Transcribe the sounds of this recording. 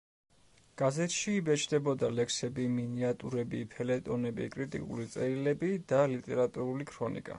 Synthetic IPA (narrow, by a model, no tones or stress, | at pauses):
ɡ̥azɛt̪ʃiːbɛt͡ʃʰd̪ɛbɔd̪alɛkʰsɛbiminiat̪ʼuɾɛbipʰɛlɛt̪ʼɔnɛbḭkʼɾit̪ʼḭkʼṵlit̪sʼɛɾilɛbid̪̥alit̪ʼɛɾat̪ʼuɾulikʰɾɔnḭkʼa̰